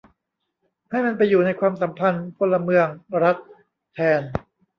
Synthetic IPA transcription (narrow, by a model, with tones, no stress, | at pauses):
ha˥˩jma˧np̬a˧jːuː˨˩na˧jkʰwaː˧msa˩˦mpʰa˧nkʰo˧nlːa˧mɯ˧əŋɾa˦˥t̪̚ʰː | ɛː˧n